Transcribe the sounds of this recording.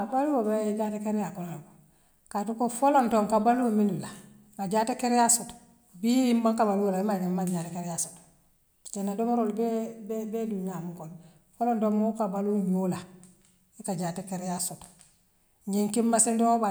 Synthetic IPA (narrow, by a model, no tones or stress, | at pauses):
abaluwobeɟatekeɾjakonolabo | katukofolontoŋkabaluwominula | kaɟaːtekeɾjasot | bijimbaŋkabalwolaimaɡemaɟatekeɾjaso̥t | d͡ʒenːadomoɾolbebbeduɲamukon | folontoŋmokabaluɲula | ikaɟaːtekeɾjasot | ɲiŋkimmasindoŋoba